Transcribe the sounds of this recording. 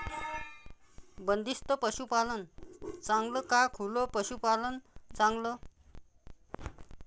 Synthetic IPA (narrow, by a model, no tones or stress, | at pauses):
bənd̪ist̪əpəɕupalənt͡saŋɡləkakʰulopəɕupalənt͡saŋɡlə